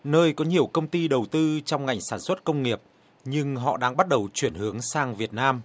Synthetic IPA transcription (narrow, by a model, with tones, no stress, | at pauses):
nəː˧jkɔ˨˦ɲi˨˩əwkə˧wŋ͡mt̪i˧ɗə˨˩wt̪ɨ˧t͡ɕɔ˧wŋ͡mŋa˨˩jŋ̟saː˧˩nswə˦˥t̚kə˧wŋ͡mŋi˨˩əp̚ | ɲɨ˧ŋɦɔ̰˧˨ɗaː˧ŋɓa˦˥t̚ɗə˨˩wt͡ɕwi˧˩ənhɨ˨˦əŋsaː˧ŋvi˨˩ət̚naː˧m